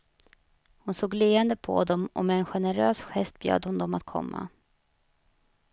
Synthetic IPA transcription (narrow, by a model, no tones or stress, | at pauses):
hʊnsoːɡleːɛnd̪əpʰɔ̰d̪ɔmʔɔ̰mɛːnɧɛnəɾøːsɧɛst̪̚bjø̰ːd̪hʊnd̪ɔmat̪̚kʰɔ̰mːa̰